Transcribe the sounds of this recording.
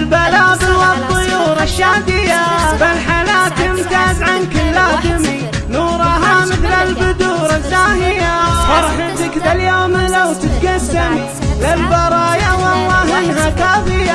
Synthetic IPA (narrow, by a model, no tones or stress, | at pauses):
lbalaːbɪlwɑt̪ˤːɨjuːɾˤɑʃːaːd̪ɪjabalħalaːt̪ːɪmt̪aːzʕankɪlːaːd̪ɪmi | nuːɾˤɑɦamɪθlalbʊd̪uːɾˤɑzːaːhɪjaħɑɾˤħɪt̪ɪkd̪aljoːmlawt̪ɪt̪ɡasami | lɪlbɑɾˤɑːjawawaɦɪnɦakaːfɪja